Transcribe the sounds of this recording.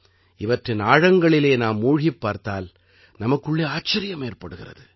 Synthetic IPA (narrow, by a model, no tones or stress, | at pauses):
ɪʋɐʈrɪnaːɻɐŋɡɐɭɪleːnaːmːuːɻɪpːaːɾt̪aːl | nɐmɐkːɯɭːeːaːt͡ʃːɐɾɪjɐmeːrpɐɽɯɣɪrɐ̰ðɯ